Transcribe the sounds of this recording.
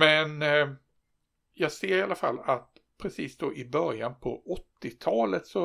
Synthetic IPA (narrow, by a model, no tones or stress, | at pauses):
mɛn | jɑːɡseːɾɪalːafa̰lːat̪̚ | pʰɾɛsiːsd̪ɔʔɪbœɾjanpʰɔʔɔt̪ːɪt̪ʰɑːlət̪sɔ